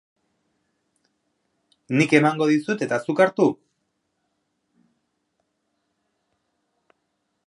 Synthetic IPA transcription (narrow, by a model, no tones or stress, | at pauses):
nike̞maŋɡo̞ðisut̪e̞t̪asukaɾt̪u